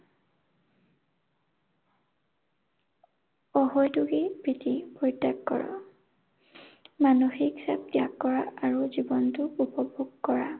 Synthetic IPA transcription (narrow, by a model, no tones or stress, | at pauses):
ɔɦɔjtuɡipɹitipoɹitːakːɔ̰ɹɔ̰ | manoxiksa̰b̚dijakːɔɹaaɹuzibɔntʊupɔbʱuɡkɔɹa